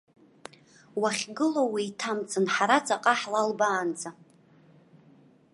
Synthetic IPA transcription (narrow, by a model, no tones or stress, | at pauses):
waχʲɡɨlowiitʰamt͡sʰʼɨnħaɾat͡sʼaqʼaħlalbaːnd͡zʼa